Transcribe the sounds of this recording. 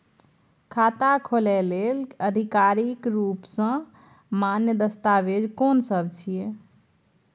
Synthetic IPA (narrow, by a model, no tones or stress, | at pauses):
kʰat̪akʰolɛleləd̪ʱikaɾikɾupsə̃ | manjəd̪əst̪aʋed͡ʒkonsəbt͡ʃʰije